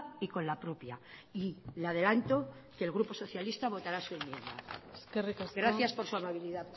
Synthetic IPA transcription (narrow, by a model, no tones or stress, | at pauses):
iko̞nlapɾopja̰ilað̞e̞lant̪o̞kelɣ̞ɾupo̞so̞θjalist̪aβ̞o̞t̪aɾasue̞mmjẽ̞nd̪a̰kerikɡɾaθjaspo̞ɾsuamaβ̞iliða